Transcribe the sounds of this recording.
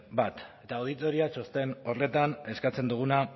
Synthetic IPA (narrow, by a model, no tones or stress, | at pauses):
bat̪e̞t̪aoð̞it̪o̞ɾiat͡ʃo̞st̪e̞no̞re̞t̪ane̞skat͡se̞nd̪uɣ̞una